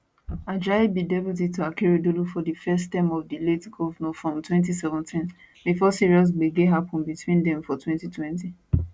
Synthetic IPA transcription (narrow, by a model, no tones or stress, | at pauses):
ad͡ʒabidɛbutituakɛɹidolufɔdifɛstɛ̃mɔvdiletɡɔvnɔfɹɔ̃mtwɛ̃ntisɛvɔ̃ntʰĩn | bifɔsiɹiɔs̬beɡeɦapɔ̃nbitʰwĩndɛ̃mfɔtwɛ̃ntitʰwɛ̃nti